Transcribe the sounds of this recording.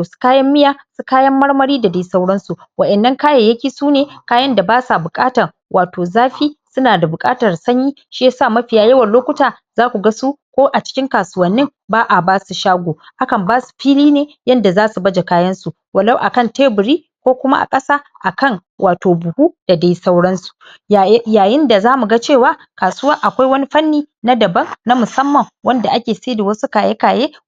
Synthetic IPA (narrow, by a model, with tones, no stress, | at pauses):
o˨su̥˦kaː˦jɐ˦mːɪ˦jaː˦su˦kaː˦jɐ˦mːɐ˦ɽmɐ˦ɽiː˦da˨da˦sɐ˦wɽɐ˦nsu˨ | wɐ˨ʔɛ˨nːɐ˦ŋkaː˦ja˨jɐ˦kʲiː˨suː˦neː˨kaː˦jɐ˦nda˨baː˦sa˨bʊ˨kʼaː˦tɐ˨r | wʔaː˨toː˨zaː˦ɸiː˦sʊ˦naː˨da˨bʊ˨kʼa̰ː˦tɐ˨rsɐ˦ɲjiː˦ | ʃi˦sa˦˨mɐ˦ɸɪ˨jaː˦jɐ˦wɐ˨loː˦kʷʊ˦taː˨ | z̥aː˦kʷu˨ɡa˦su˦kʷoː˦ʔa˨t͡ʃɪ̥˦kʲɪ˦ŋkaː˨sʊ˦wɐ˨nːɪ˦ŋ | baː˦ʔa˨baː˦su˨ʃaː˦ɡʷoː˨ʔa˦kɐ˨mbaː˦su̥˨ɸiː˦liː˦neː˨jɐ˦nda˨zaː˦su˨bɐ˦d͡ʒe˨kaː˦jɐ˦nsu˨ | wɐ˨la˦wʔa̰˨kɐ˦˨nteː˦bʊ˨ɾiː˦ | kʷoː˦kʷʊ˦ma˦ʔa̰˨kʼɐ˦saː˦ | ʔa˨kɐ˦ŋ | wʔaː˨toː˨bʊ˨huː˦d̥a˨da˦jsɐ˦wɽɐ˦nsu̥˨˦ | jaː˨jɪ˦nda˨zaː˦mu˨ɡa˦t͡ʃeː˦˨waː˦ | kaː˨sʊ˦wɐ˦ŋʔa˨kʷa˦jwɐ˦ni˦ɸɐ˦nːiː˨na˦dɐ˨bɐ˦ŋna˦mʊ˨sɐ˦mːɐ˨ŋwɐ˦nda˨ʔa˦kʲeː˨se˦da˨wɐ˦su˦kaː˨je˦kaː˨jeː˦